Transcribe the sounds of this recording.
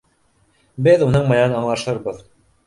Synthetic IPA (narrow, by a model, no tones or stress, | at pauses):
bɘðunɤɴmɤ̆jɑnɑɴlˠɑʃɤɾbɤð